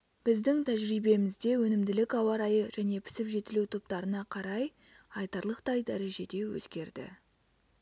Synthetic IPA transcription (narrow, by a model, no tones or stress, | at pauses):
b̥ɪzd̪ɪŋt̪ʰæʒɾijbe̞mɪzd̪e̞wɵnɪmd̪ɪlɪkɑwɑɾɑjəʒ̥æne̞pʰɪ̥sɪpʒe̞t̪ɪlut̪ʰop̚t̪ɑɾənɑqʰɑɾɑj | ɑjt̪ɑɾlˠəqt̪ɑjd̪æɾe̞ʒe̞d̪e̞wɵ̰zɡʲe̞ɾd̪ɪ̰